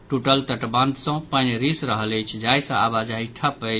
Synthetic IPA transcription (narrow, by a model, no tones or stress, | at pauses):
ʈuʈəlt̪əʈbãnd̪sə̃pənɾisɾəɦələjt͡ʃʰd͡ʒajsə̃abad͡ʒaɦiʈʰəpət͡ʃʰ